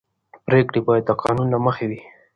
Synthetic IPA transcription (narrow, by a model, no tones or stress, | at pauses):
pɾekɽibɑjad̪̚t̪aqɑ̰nunlaməxewi